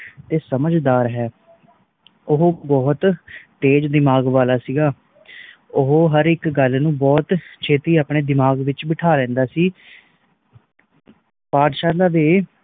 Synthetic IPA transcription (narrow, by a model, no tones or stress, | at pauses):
t̪eːsəməd͡ʒd̪aːɾɦɛː | ʊɦobɔːt̪t̪eːd͡ʒd̪ɪmaːɡʋaːlaːsiːɡaː | ʊɦɦəɾɪkɡəlnũːbɔːt̪t͡ʃʰeːt̪iːaːpɳeːd̪ɪmaːɡʋɪt͡ʃbɪʈʰaːlɛ̃ːnd̪aːsiː | paːd̪ʃaːɾlaːd̪eː